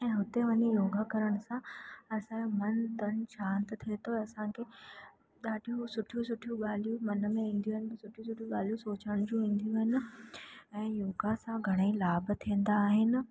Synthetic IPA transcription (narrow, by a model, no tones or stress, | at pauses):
ɛ̃ːɦʊt̪eʋɐɲejoːɡʱakɐɾəɽ̃̆sãɐsãomɐnt̪ɐnʃaːnt̪t̪ʰiet̪oɐsãkʰeː | ɗaːɖijũsʊʈʰijũsʊʈʰijũɠaːl̤ijũmɐn̆mẽĩːn̆d̪ijuːɦɪnɪb̪sʊʈʰijũsʊʈʰijũɠaːl̤ijũsoːt͡ɕəɽ̃d͡ʑũʋĩːn̆d̪ijũɦɪnɪ̆ | ɛ̃ːjoːɡasãɡʱɐɽ̃ailaːbt̪ʰĩə̃n̆d̪aːɦɪnɪ̆